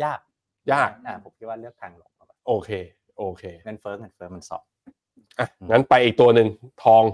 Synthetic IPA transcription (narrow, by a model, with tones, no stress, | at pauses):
jaː˥˩k̚ | jaː˥˩k̚a˧˩pʰo˨˩˦mkʰi˦˥t̪̚waː˥˩lɯ˥˩əkʰːa˧ŋlo̰˨˩˦a˦˩a˧˩ʔoː˧kʰeː˧ | ʔoː˧kʰeː˧ŋɤ˧nfɤː˦˥ŋɤ˧nfɤː˦˥ma˧nsɔ̰˨˩p̚ | ʔa˧˩˧ŋa˦˥npa˧jʔiː˨˩k̚t̪u˧ɐnɯ˨ŋt̪ʰɔː˧ŋ